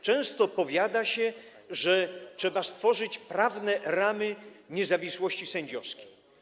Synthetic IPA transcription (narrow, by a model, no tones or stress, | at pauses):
t͡ʂɛ̃w̃st̪ɔpɔvʲjad̪aɕɛ | ʐɛt͡ʂʂɛbast̪fɔʐɘt͡ɕpɾavnɛɾamɘɲɛzavʲiswɔɕt͡ɕisɛɲd͡ʑɔskʲe̥j